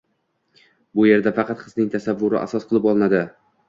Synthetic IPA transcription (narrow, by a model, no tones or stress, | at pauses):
bʊje̞ɾd̪afɑqʰɑt̪qʰɨ̥znɪŋt̪ʰasavːʊɾɪ̰ʔa̰sɒsqʰɨlˠɪpɒlˠnad̪ɪ